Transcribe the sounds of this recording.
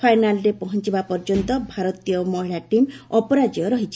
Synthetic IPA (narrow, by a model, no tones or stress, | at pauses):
pʰajnalɾepɔɦɔnt͡ʃibapɔɾd͡ʒɔnt̪ɔbʱaɾɔt̪ijɔmɔɦiɭaʈimɔpɔɾad͡ʒɔɾɔɦit͡ʃʰi̥